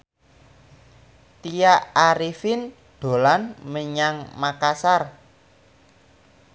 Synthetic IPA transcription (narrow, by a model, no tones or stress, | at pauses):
t̪ijaaɾifɪn | ɖ̪̥o̤lanməɲaŋmakasar